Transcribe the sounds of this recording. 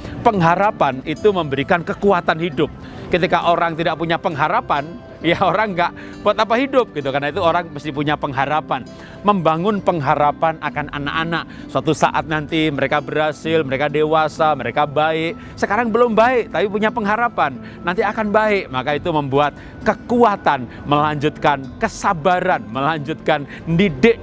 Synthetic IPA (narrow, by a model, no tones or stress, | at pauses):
pəŋɦaɾapanit̪uməmbəɾikankəkuat̪anhidʊp̚ | kət̪ikaʔoɾaŋt̪idaʔpuɲapəŋɦaɾapan | jaoɾaŋɡaʔ | b̥uat̪apaɦidʊp̚ɡit̪ukarnait̪uoɾaŋməst̪ɪhpuɲapəŋɦaɾapan | məmbaŋʊnpəŋɦaɾapanʔakana̰na̰ʔanaʔ̚ | suat̪usa̰ʔa̰t̪̚nant̪iməɾekabəɾhasɪlməɾekadewasaməɾekabaɪʔ | səkaɾaŋbəlʊmbaɪʔt̪apipuɲapəŋɦaɾapanː | ant̪iakanbaɪʔmakait̪uməmbuat̪̚ | kəkuat̪an | məlaɲd͡ʒʊt̪̚kankəsabaɾanməlaɲd͡ʒʊt̪̚kan | ndidɪʔ